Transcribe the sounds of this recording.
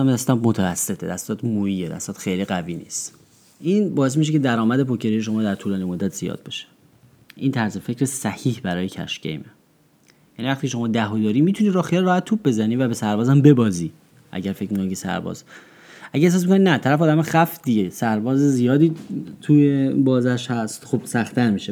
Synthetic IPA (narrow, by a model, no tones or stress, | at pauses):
md̪æst̪ɒdmot̪ʰævæsːe̞t̪ʰed̪æst̪ɒːt̪ʰmoiːed̪æ̰st̪ɒːt̪xejliɡæviːnḭst̪ | ʔiːnbɒːe̞s̬miʃecʰe̞d̪æɾɒːmæd̪e̞pocʰeɾijeʃ̬o̞mɒːd̪æɾt̪ʰuːlɒːnimod̪ːæt̪ʰz̥ijɒ̰ːd̪̚be̞ʃe̥ | ʔint̪ʰæɾze̞fe̞cɾesæhiːhbæɾɒːjecʰæ̰ʃcʰḛjme | jænivæxχt̪iːcʰeʃ̬o̞mɒːd̪æɦod̪ɒːɾiːmit̪ʰuniːɾɒːxiælɾɒːhæt̪t̪ʰːuːb̚be̞zæniːvæbe̞sæɾbɒːzæmbe̞bɒːziː | ʔæ̰ɟæɾfe̞cmikonkcʰesæ̰ɾbɒ̰ːz | ʔæɟæes̬ɒːs̬mikʰoninæt̪ʰæɾæfeɒːd̪æmæxæfd̪iesæɾbɒːzezijɒːd̪iːt̪ʰujebɒːzæʃhæst̪xob̥sæxt̪ʰæɾmiːʃe